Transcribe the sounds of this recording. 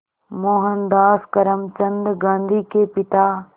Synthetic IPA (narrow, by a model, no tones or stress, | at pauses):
moːɦənd̪aːskəɾəmt͡ʃɐnd̪ɡãːnd̪iːkeːpɪt̪aː